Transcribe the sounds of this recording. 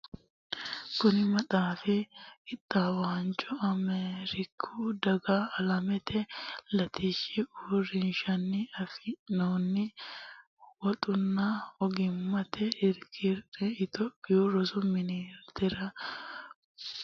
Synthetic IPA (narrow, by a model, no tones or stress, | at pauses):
kʊnɪmɐt̪ʼaːfɪɪt̪ʼːawaːnt͡ʃʼɔɐmeːɾɪkʰːud̪ɐɡaːlɐmɛt̪ʰɛlɐt̪iʃɪuɾɪnʃɐnːɪɐfɪnoːnːɪ | wɔt̪ʼʊnːɐɔɡɪmːɐt̪ɛɪɾkʰɪɾɛɪt̪ɔpːɪjuɾɔsʊmɪniɾt̪ɪɾɐ